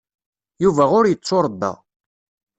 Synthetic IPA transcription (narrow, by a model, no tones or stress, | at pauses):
juvæʁʊɾjət͡sˤːoɾˤəd̪ːɑ̰